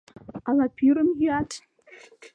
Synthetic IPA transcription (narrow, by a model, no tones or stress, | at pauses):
ɑlˠɑpʲʰyɾəmjyɑt